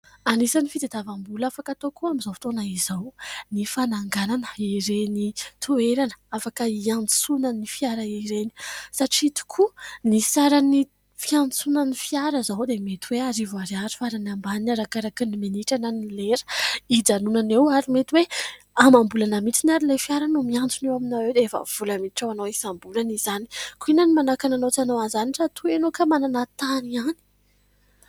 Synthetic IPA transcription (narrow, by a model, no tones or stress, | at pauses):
anisanifit̪ed̪avambulafakat̪okuamizafi̥t̪onaizawnifanaŋɡananə̥iɾenit̪ʰueɾanə̥afakəiant͡sunanifiaɾaiɾeni̥saʈ͡ʂiit̪i̥kʰunisaɾani | fiant͡sunanifiaɾəzawd̪emet̪iweaɾivaɾaɾi̥faɾanambanaɾakaɾakinimeniʈ͡ʂananileɾə̥id͡zanunanewaɾimet̪iwe | amambulanəmit͡sinaɾilefiaɾanumiand͡zunewaminawewd̪eefə̰v̥ulamiʈ͡ʂawanowisambulaniz̥ani̥kuinanimanakananot͡sanawanzaniʈ͡ʂat̪uenokamananat̪aniani̥